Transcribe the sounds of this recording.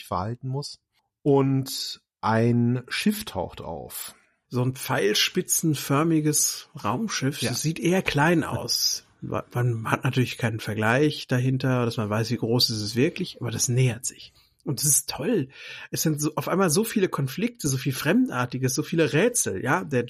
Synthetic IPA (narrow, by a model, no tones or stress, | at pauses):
fɛɐha̰ltn̩mʊs | ʔʊnt | ʔaɪnʃɪftʰa̰ʊxta̰ʊf | z̥oːnpp͡faɪlʃpɪt͡sn̩fœɐmɪɡəsʁa̰ʊmʃɪfd̥asz̥iːtʔeːɐkʰl̥aɪnʔa̰ʊs | manhatnatʰyːɐlɪçkʰaɪnənfɛɐɡlaɪçd̥aɦɪntɐd̥asmanvaɪsv̥iːɡʁoːsɪstɛstv̥ɪɐklɪçʔaːbɐdasnɛːɐtz̥ɪç | ʔʊntdasɪ̥stʰɔlʔɛsz̥ɪntz̥oːʔaʊfʔaɪnmaːlzoːfiːləkʰɔnflɪk̚tʰəzoːfiːlfʁ̥ɛmtʔa̰ːɐtɪɡəsz̥oːfiːləʁɛːt͡sl̩jaːdeːɐ